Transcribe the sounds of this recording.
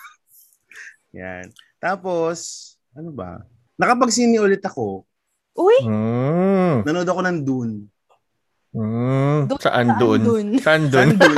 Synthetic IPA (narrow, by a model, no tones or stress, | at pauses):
ja̰nt̪aːpo̞s | ʔɐnobɐ̰ | nɐkɐpɐɡ̚siːnɪʔolɪt̪ɐko̞ | ʔʊj̩ | nɐnod̪oɐkonɐnd̪ʊn | sɐʔand̪oʔonnsɐʔand̪on